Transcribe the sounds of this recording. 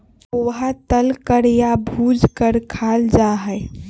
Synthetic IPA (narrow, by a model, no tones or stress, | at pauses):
oɦat̪əlkəɾjabʱud͡ʒkəɾkʰald͡ʒaɦəj